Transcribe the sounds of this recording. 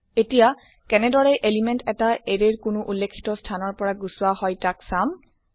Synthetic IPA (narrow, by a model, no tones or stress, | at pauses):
etija | kɛnɛdɔɹɛʔelimɛntɛtaʔeɹeɹkʊnʊʔulːekʰːi̥tɔstʰanɔɹpɔɹaɡusʊwaɦɔjtaksam